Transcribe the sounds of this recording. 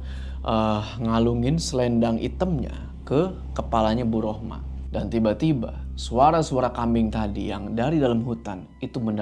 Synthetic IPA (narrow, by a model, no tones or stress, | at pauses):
ʔəhŋaluŋɪnsəlɛndaŋʔḭt̪əmɲa̰ | kə | kəpalaɲabuɾohma̰ | dant̪ibat̪iba̰suaɾasuaɾakambɪŋt̪adijaŋdaɾidalamɦut̪an | it̪umənd